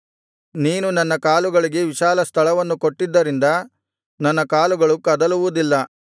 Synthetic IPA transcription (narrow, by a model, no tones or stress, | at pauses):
niːnunɐnːɐkaːluɡɐɭiɡe̞ʋiʃaːlɐst̪ʰɐɭɐʋɐnːukoʈːid̪ːɐɾind̪ɐ | nɐnːɐkaːluɡɐɭukɐd̪ɐluʋud̪ilːɐ